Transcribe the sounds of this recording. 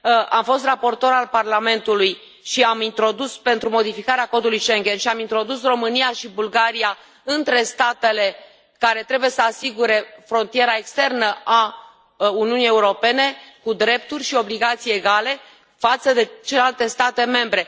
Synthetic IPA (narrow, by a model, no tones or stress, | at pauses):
ʔamfo̞st̪rapo̞rt̪o̞ɾalparlame̞nt̪uluj | ʃiamint̪ɾo̞d̪uspe̞nt̪ɾumo̞d̪ifikaɾeako̞d̪ulujʃeŋɡʲe̞nʃiamint̪ɾo̞d̪usro̞mɨnijaʃibulɡaɾija | ɨnt̪ɾe̞st̪at̪e̞le̞ | kaɾe̞t̪ɾe̞buje̞səasiɡuɾe̞fɾo̞nt̪ije̞ɾae̞kst̪e̞rnəʔa | uniunije̞uɾo̞pe̞ne̞kud̪ɾe̞p̚t̪urʲʃio̞bliɡat̪sijeɡale̞ | fat̪səd̪e̞t͡ʃelealt̪e̞st̪at̪e̞me̞mbɾe̞